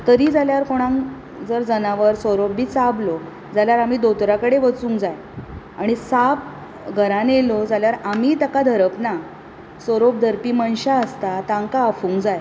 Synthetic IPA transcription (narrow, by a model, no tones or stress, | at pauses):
t̪əɾiːd͡zaljaɾkoɽ̃ãŋ | d͡zəɾd͡zənaʋəɾsoɾopbʱiːt͡sablo | d͡zaljaɾam̤iːd̪ot̪ɾakəɽeʋət͡sũːŋkd͡zaj | aɽ̃isap̚ | ɡʱəɾãnelod͡zaljaɾam̤iːt̪akad̪ʱəɾəpna | soɾop̚d̪ʱəɾpiːmənɕaəst̪at̪aŋkaːfũːŋkd͡zaj